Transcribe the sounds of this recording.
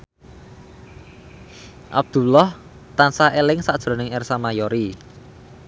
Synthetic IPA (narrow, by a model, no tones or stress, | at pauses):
ʔa̰b̚d̪̥ṳlɔh | t̪ansaelɪŋsaʔd̥ʒ̥ɾɔ̤nɪŋɛrsamajɔɾi